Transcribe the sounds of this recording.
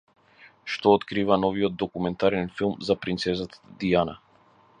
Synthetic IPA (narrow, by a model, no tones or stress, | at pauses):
ʃt̪ɔːt̪kɾivanɔviɔd̪̚d̪ɔkumɛnt̪aɾɛnfilˠmzapɾint̪sɛzat̪ḁd̪iana̰